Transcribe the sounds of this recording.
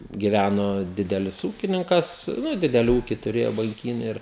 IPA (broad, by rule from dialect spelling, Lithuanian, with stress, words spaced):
ɡʲɪˈʋʲænoː ˈdʲɪdʲɛlʲɪs ˈuːkʲɪnʲɪŋkɐs ˈnʊ ˈdʲɪdʲɛlʲɪ uːkʲɪ tʊrʲeːjoː bɐŋʲˈkʲiːnʲeː ˈɪr